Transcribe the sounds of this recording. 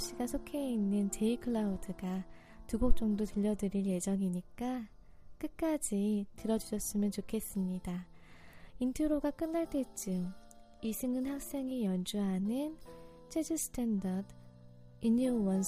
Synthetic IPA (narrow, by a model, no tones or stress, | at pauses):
ɕ͈iɡasʰokʰe̞inːɯnt͡ɕe̞ikʰɯɭaudɯɡa | tuɡok̚t͡ɕ͈ʌŋdotɯʎːʌdɯɾinje̞d͡ʑʌŋiɲik͈a | k͈ɯk̚k͈ad͡ʑitɯɾʌd͡ʑuɕʰʌs͈ɯmjʌnt͡ɕokʰe̞s͈ɯmɲida | intʰɯɾoɡak͈ɯnːaɭt͈e̞t͡ɕ͈ɯm | isʰɯŋɯnhaŋs͈e̞ŋijʌnd͡ʑuɦanɯn | t͡ɕʰed͡ʑɯsʰɯ̥tʰendʌd | iɲiowʌns